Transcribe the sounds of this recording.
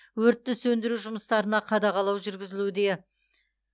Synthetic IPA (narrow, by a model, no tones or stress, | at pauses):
wɵɾt̪ːɪsɵnd̪ɪɾuʒʊməst̪ɑɾənɑqʰɑd̪ɑʁɑlˠɑwʒʏɾɡʲɪzɪlud̪e̞